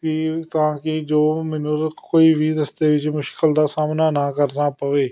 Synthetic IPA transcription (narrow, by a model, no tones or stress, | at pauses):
kɪt̪ãːkɪd͡ʒoːmɪnʊɾkoːiːʋiːd̪əst̪eːʋɪt͡ʃmʊʃkəld̪aːsaːmnaːnaːkəɾnaːpəʋeː